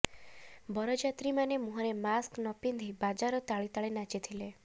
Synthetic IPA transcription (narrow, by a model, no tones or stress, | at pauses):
bɔɾɔd͡ʒat̪ɾimanemuɦɔɾemasknɔpind̪ʱibad͡ʒaɾɔt̪aɭit̪aɭenat͡ʃit̪ʰile